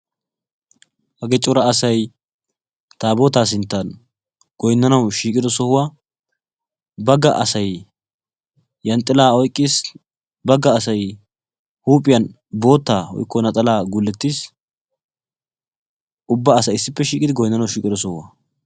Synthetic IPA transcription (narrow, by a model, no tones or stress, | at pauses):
hɐɡɛt͡ʃʼʊɾɐɐsɐj | t̪aːbo̞ːt̪aːsɪnt̪ːan | ɡ̥ɔjnːɐnɐwʃiːkʼɪd̪ɔsɔhʊwa | bɐɡːɐʔɐsɐj | jɐnt̪ʼːɪlaːɔjkʼːiːs | bɐɡːɐːsɐj | huːpʼɪjɐn | bo̞ːt̪ːaːhɔ̰jkːɔnɐt̪ʼɐlaːɡulːɛt̪ːiːs | ʔʊbːɐːsɐjɪsːɪpːɛʃiːkʼɪd̪ɪɡɔjnːɐnɐwʃiːkʼɪd̪ɔsɔhʊwa̰